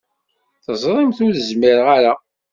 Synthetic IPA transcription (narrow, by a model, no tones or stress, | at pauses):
θəzˤɾˤɪmθʊðəzmiɾəʁaɾa